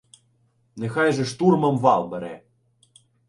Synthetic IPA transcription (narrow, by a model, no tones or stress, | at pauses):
nexɑjʒɛʂt̪urmɐmʋɑlˠbɛɾɛ̰